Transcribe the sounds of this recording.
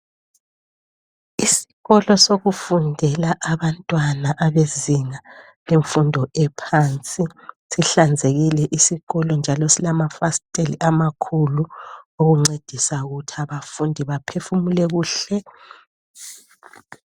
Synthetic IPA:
isi̥ɣɔlɔsoɣufundʱɛlaʔaβantʼwanaʔaβeziŋa | leɱfundʱɔɛpʰaːnt͡sʼisiɬand͡zʱeɣilɛʔisiɣɔlɔnd͡ʒʱalɔsilamafastʼeliʔamakʰuluoɣuŋ͡ǀed̥ʱisauɣutʰiaβafundʱiβapʰefumulɛɣuːɬɛ

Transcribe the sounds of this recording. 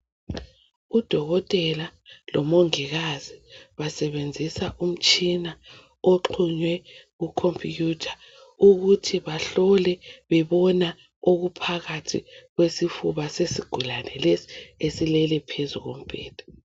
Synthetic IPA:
ud̥ʱɔɣɔtʼɛlalɔmoŋiɣaziβasɛβend͡zʱisaʔum̩t͡ʃʼina | oǃʰuɲwɛɣukʰomfʼijuːtʰḁ | uɣutʰiβaɬɔlɛβɛβɔna | oɣupʰaɣatʰḭɣwesifuβasesiɡ̥ʱulanɛlesi̥esilɛlɛpʰezuɣom̩b̥ʱɛːd̥ʱɔ̥

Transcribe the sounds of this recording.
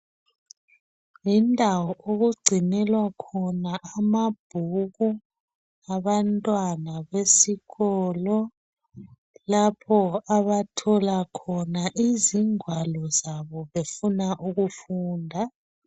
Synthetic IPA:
jindʱawɔoɣuɡ͡ǀʱinɛlwakʰɔnaʔːmab̥ʱuɣu | aβantʼwanaβesiɣɔlɔ | lapʰɔaβatʰɔlakʰɔnaʔiziŋwalɔzaβɔβefunaʔuɣufuːndʱa

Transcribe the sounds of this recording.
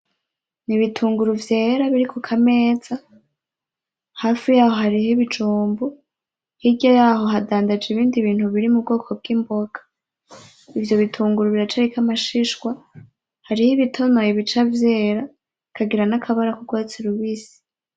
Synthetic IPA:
niβitʰuːŋɡuɾuvje̞ːɾaβiɾikukʰameːz̥a | haːfijaːhohaɾihiβid͡ʒuːmbu | hiɟajaːɦo̞ɦadaːndad͡ʒiβiːndiβiːn̥huβiɾimub̚ɡo̞ːkʰo̞b̚ɡiːmbo̞ɡḁ | ivjo̞βitʰuːŋɡuɾuβiɾat͡ʃaɾikamaʃiʃkwa | haɾihiβitʰo̞no̞jiβit͡ʃavjeːɾa | kʰaɡiɾanakʰaβaɾakuɡɡwat͡siɾuβisi̥

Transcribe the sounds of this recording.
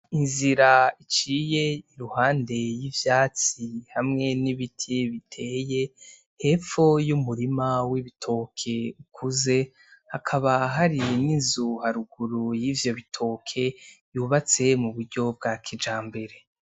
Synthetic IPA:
inziɾait͡ʃiːje̞iɾuhaːnde̞jivjaːt͡sihamŋe̞niβitʰiβitʰe̞ːje̞ | he̞fo̞jumuɾimawiβitʰo̞kʰe̞ukʰuze̞ | hakʰaβaɦaɾininzuhaɾuɡuɾujiːvjo̞βitʰo̞ːkʰe̞juːβat͡se̞muβuɾɟo̞b̚ɡaːkʰid͡ʒaːmbe̞ɾe̞

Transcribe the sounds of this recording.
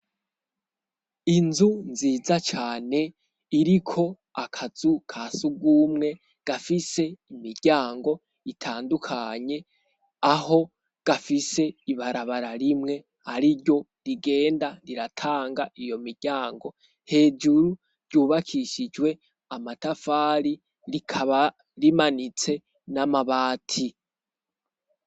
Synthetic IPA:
inzunziːzat͡ʃaːne̞ | iɾikʰo̞ | akʰazukʰasuɡuːmŋe̞ | ɡ̥afise̞imiɾɟ̥aːŋɡo̞ | itʰaːndukʰaɲe̞ | aho̞ | ɡ̥afise̞iβaɾaβaɾaɾimŋe̞ | aɾiɾɟo̞ | ɾiɡe̞ːndaɾiɾatʰaːŋɡaʔijo̞miɾɟ̥aːŋɡo̞ | he̞ːd͡ʒuɾu | ɾɟ̥uːβakʰiʃid͡ʒwe̞ | amatafaːɾi | ɾikʰaβa | ɾimanit͡se̞ | namaβaːtʰi

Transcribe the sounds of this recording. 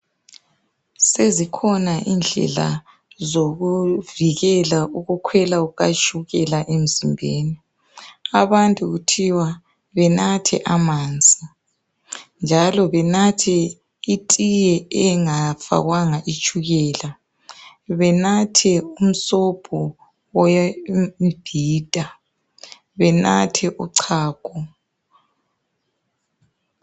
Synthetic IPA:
sezikʰɔnaʔind͡ɮʱɛ̰la̰ | zoɣuviɣɛlauɣukʰwɛlaɣat͡ʃʼuɣɛlaʔem̩zimbʱeːni | aβantʼuɣutʰiwa | βɛnatʰɛ̰ʔamaːnd͡zʱʼi | nd͡ʒʱalɔβɛnatʰɛ | itʼijɛɛŋafa̰ɣwaŋaʔit͡ʃʼuɣɛːla | βɛnatʰɛum̩sɔpʰɔ | ɔjmmb̥ʱiːd̥ʼʱa | βɛna̰tʰɛʔuǀʰaːkʰɔ

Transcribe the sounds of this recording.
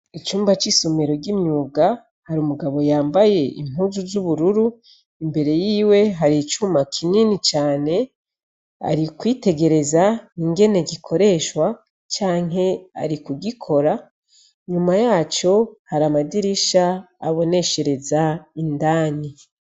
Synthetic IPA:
it͡ʃuːmbat͡ʃisumeɾoɟimɲuːɡa | haɾumuɡaβo̞jaːmbaje̞ḭmɦuːzuzuβuɾuɾu | imbe̞ɾe̞jiːwe̞ɦaɾit͡ʃumakʰininit͡ʃaːne̞ | a̰ɾikwiːte̞ɡe̞ɾe̞zaniŋɡe̞ne̞ɡikʰo̞ɾe̞ʃwa | t͡ʃaːŋɦe̞a̰ɾikuɡikʰo̞ɾa | ɲumajaːt͡ʃo̞haɾamadiɾiʃa̰ː | βo̞ne̞ʃe̞ɾe̞zaindaːɲi

